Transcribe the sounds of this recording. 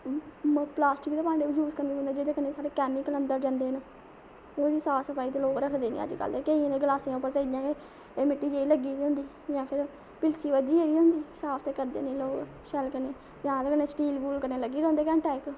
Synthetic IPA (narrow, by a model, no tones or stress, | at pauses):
plaːsʈɪk̪ːeːpãːɳɖeːʋəd͡ʒuːskəɾneːɦʊ̃ːnd̪aːd͡ʒeːd̪eːkəneːt̪ʰaːɽeːkɛːmɪkələnd̪əɾd͡ʒãːnd̪eːn | oːʋiːsaːpsəpʰaːiːt̪eːloːɡɾəkʰd̪eːnḭ̃ːə̰d͡ʒkə̰lt̪eːkeiẽnẽɡəlaːsijãːʊpːəɾt̪eid̪jãːɡeː | eːmɪʈːiːd͡ʒeːiləɡiːd̪iɦʊ̃nd̪iː | d͡ʒãːpʰɪɾ | pɪlsiːʋəd͡ʒiːeːd̪iːɦʊ̃nd̪iːsaːpʰt̪eːkəɾd̪ḛːnẽːloːɡ | ʃɛlkəneː | d͡ʒãːd̪eːkənːeːsʈiːlbuːlkəɾneːləɡːiːɾõːnd̪eːkɛ̃ːɳʈɛːk